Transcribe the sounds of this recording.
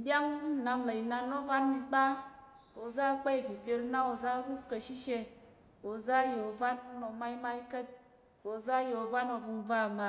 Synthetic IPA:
dja˦ŋ̩˦˨na˨ŋla˨i˨na˨no˦va˦ni˨k͡pa˦ | o˨za˦k͡pe˦i˨bi˨pje˦ɾna˦o˨za˦ɾu˦kə˨ʃi˦ʃe˦ | o˨za˦jo˨va˦no˨ma˦i˦ma˦i˦kə˦t̚ | o˨za˦jo˨va˦no˨vu˨m˨va˦˨ma˨

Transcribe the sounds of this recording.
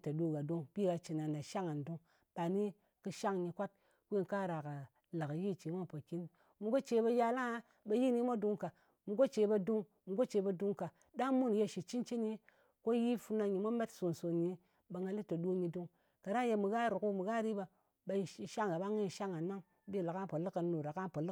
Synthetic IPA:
ta˨du˦ɡa˨du˦ŋpi˦ɡa˧t͡ʃi˨na˨nda˨ʃa˦ŋa˨n˨du˦ŋ | b̥a˨ni˦ | kɨ˧ʃa˦ŋɲi˧kʷa˦t̚ | kʷi˦n˨ka˦˨ɾa˨ka˨ | la˨ka˨ji˦˨t͡ʃi˨˦mʷa˦˨po˨ki˦n | mu˨ɡo˦t͡ʃe˧˦ba˧ja˧la˦ŋa˦ | ba˧ji˦˨ni˦mʷa˦du˧ŋka˨ | mu˨ɡo˦t͡ʃe˨˦ba˧du˦ŋ | mu˨ɡo˦t͡ʃe˨˧˦ba˧du˧ŋka˨ | da˦ŋmu˦n˨je˧ʃi˨t͡ʃi˦nt͡ʃi˦ni˦ | ko˦ji˦fu˧na˧ɲi˨mʷa˦me˦tsu˨n˨so˨ɲi˨ | ba˨˧ŋɡa˧li˦to˨du˦ɲi˧du˦ŋ | ka˨ɾa˦je˧mu˨ɡa˦ɾu˨ku˦mu˨ɡa˦ɾi˦ba˧ | ba˧˨˦ʃa˦ŋa˨ba˦ŋi˦˨ʃa˦ŋa˨nːa˦ŋ˦ | bi˦˨la˨ka˦˨po˨lɨ˦ka˨n˦no˨ɾa˨ka˦n˦po˨lɨ˦

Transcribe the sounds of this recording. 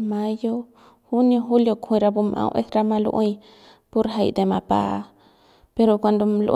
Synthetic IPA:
mã˧jo˦ | hu˦njo˧ɦu˦ljo˧kʰĩ˧˨˧ɾa˧bu˧mʔã̰˧wʔḛ˦sɾa˧mã˧lṵ˦ʔũ˦˧j | po˦ɾɦa˧jd̪e˨ma˧˨pa̰˨˧ | pe˧ɾo˧kʷa˧nd̪o˧l̰

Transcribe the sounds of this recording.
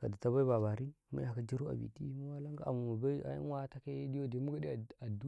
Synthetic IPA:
ka˨da˨ta˦ba˦i˦ba˨βa˨ɾi˦mṵ˦ja˨ka˦d͡ʒi˦ɾu˦a̰˨bḭ˨ti˦mu˦wa˦la˦ŋɡa˦a̰˨mu˨ma˨ba˦i˦a̰˨ḭ˦n˦wa˦ta˦ke˦di˦jo˦de˨˦mu˦ɡa˦di˦˨a˨du˦

